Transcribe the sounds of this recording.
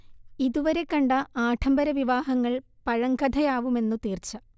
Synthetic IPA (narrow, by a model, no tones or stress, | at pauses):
iðuʋɐɾe̞kːɐɳɖɐaːʈʰɐmbɐɾɐʋiʋaːɦɐŋːɐɭ | pɐɻɐŋɡɐd̪ʱɐjaːʋume̞nːut̪iːrt͡ɕːɐ